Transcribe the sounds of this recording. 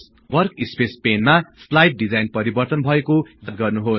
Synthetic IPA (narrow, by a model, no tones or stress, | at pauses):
s | wʌrkispespenmaslajʈ̚ɖid͡zajnpʌɾibʌrt̪ʌnbʱʌekod͡zʌt̪̚ɡʌrnuɦos